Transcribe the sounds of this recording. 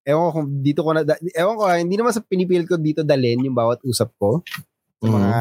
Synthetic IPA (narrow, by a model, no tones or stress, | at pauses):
ʔɛookʊŋd̪iːt̪okonɐd̪ɐʔɛoŋkohɪnd̪iːnɐmansɐpɪniːpiːlɐd̪kod̪iːt̪od̪ɐlɛnjʊŋbaːwɐt̪̚ʔuːsɐp̚ko | sɐmɐŋa